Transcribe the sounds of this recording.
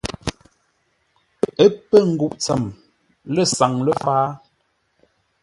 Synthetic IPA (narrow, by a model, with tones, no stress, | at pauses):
ə˦pə˦˨ŋ̩˨ɡu˨ʔt͡sə˨m | lə˦˨sa˨ŋlə˦faː˦